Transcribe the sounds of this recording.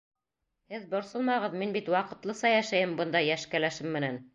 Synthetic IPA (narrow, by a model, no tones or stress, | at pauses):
hɘðbŏɾsɤlˠmɑʁɤ̆ðminbit̪wɑqɤ̆t̪lˠɤsɑjæʃæjɘmbɤ̆nd̪ɑjæʃkælæʃɘmːɘ̆næn